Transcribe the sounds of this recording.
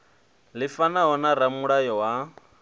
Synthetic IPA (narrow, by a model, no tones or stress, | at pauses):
lɪfanaɦɔnaramuɺajɔwa